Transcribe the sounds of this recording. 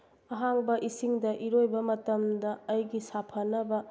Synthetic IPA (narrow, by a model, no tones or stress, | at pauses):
ɐɦaŋbɐʔisiŋdɐʔiɾojbɐmɐtɐmdɐːjɡisapʰɐnɐbɐ